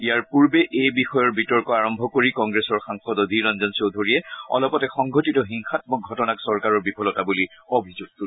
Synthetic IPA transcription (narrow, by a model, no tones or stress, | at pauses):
ijaɹpuɹbɛʔejbixɔjɔɹbitɔɹkɔaɹɔmbʱɔkoɹikɔŋɡɹesɔɹxaŋxɔdɔdʱiɹɔnzɔnsowdʱoɹiɛɔ̰lɔpɔtɛxɔŋɡʱotitɔɦiŋxatmɔɡʱɔtɔnaksɔɹkaɹɔɹbipʰɔlɔtabuli | obʱizuɡ̚tu